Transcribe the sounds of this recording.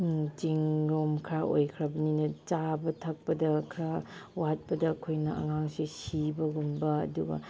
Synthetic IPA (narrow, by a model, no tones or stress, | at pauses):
t͡ʃiŋɾomkʰɾaʔo̰jkʰɾɐbɐninɐt͡ʃabɐtʰɐk̚pɐdɐkʰɾawaɦɐt̚pɐdɐːkʰojnɐʔɐ̰ŋaŋsisibɐɡumbɐɐ̰duɡɐ̰